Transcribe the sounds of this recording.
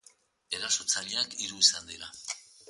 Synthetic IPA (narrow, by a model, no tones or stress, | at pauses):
eɾaso̞t͡saʎeakiɾuisand̪iɾa